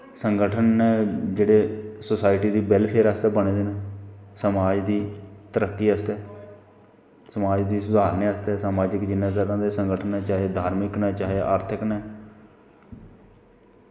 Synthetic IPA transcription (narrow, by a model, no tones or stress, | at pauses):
səŋɡəʈʰənɛːd͡ʒeːɽeːsosaːɪʈiːd̪iːbɛlpʰeːɾaːst̪ɛːbəñeːd̪eːnesəmaːd͡ʒd̪iːt̪əɾəkːiːəst̪ɛː | səmaːd͡ʒd̪iːsʊd̪ʱaːɾnẽːəst̪ɛːsaːmaːd͡ʒəkd͡ʒɪnːãːt̪əɾãːd̪eːsəŋɡəʈʰənːɛːt͡ʃaːɦeːd̪ʱaːɾmɪknɛːt͡ʃaːɦeʔa̰ːɾt̪ʰɪknɛː